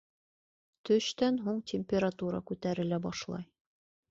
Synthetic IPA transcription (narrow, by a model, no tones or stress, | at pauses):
t̪ɵ̆ʃt̪ænɦuŋtʲɪmʲpʲeɾat̪uɾɑ̰kʉt̪æɾɘ̆læbɑʃlˠɑ̰j